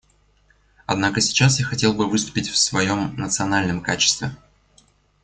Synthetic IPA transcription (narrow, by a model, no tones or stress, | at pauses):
ɐd̪nakəsʲɪ̥t͡ɕasjaxɐtʲe̞lˠbɨvɨst̪ʊ̥pʲɪtʲfsvɐjo̞mnət̪sɨɐnalʲnəmkat͡ɕɪ̥st̪vʲɪ